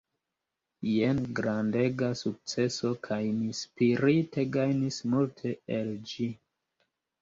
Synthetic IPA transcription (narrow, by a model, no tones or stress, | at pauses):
jenɡɾande̞ɡasuk̚t͡se̞so̞kʰajmispiɾite̞ɡajnismultʰe̞eld͡ʒi